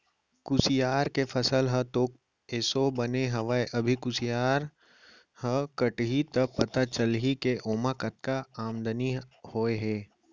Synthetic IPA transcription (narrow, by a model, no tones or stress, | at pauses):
kʊsijaːɾkefʰəsəlɦət̪oːk̚ | eːsobɐneɦɐʋaeʔɐbʱikʊsijaːɾ | həkəʈɦit̪əpɐt̪at͡ʃəlɦikeʔoːmakət̪̚kaaːmd̪ənihoːeɦɛː